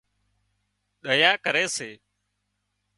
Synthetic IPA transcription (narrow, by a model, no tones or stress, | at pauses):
ɗəjaːkəɾeːseː